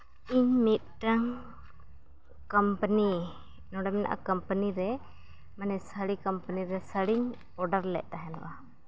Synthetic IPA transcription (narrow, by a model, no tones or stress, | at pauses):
iɲmit̪̚ʈaŋ | kəmpəni | nɔɽɛmɛna̰ʔa̰kəmpəniɾɛ | manɛsəɽikəmpəniɾɛsəɽiɲ | ɔɖəɾlɛ̰ʔ̚ˀt̪aɦɛna̰ʔa